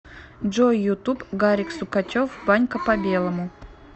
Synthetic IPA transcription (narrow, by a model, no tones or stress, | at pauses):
ʐojːʊt̪upɡaɾʲiksʊkat̪ʲofbanʲkəpɐbʲe̞lˠəmʊ